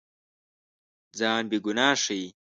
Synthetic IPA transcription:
d͡zaːnbiɡunaːʂij

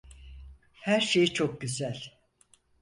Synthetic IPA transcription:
hæɾʃe̞jit͡ʃʰo̞k̚ɟyzælʲ

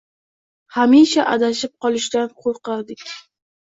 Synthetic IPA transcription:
hamiʃaʔad̪aʃɪp̚qʰɒlˠɪʃd̪anqʰoɾqɑɾd̪ɪkʲ

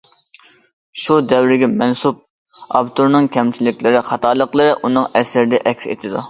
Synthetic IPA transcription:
ʃud̪ɛwɾɪɡʲɛmɛnsup̚ | ɑbt̪ʰuɾnɨŋkʲʰɛmt͡ʃʰilɪkʲlɪɾɪχɑt̪ʰɑːlˠəqlˠɨɾɨʔunɨŋɛsɾɪd̪ɛʔɛkʲsḛt̪ʰɪd̪u

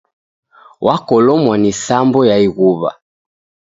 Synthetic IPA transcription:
wʔakɔlɔmwanisambɔjaiɣuβa̰

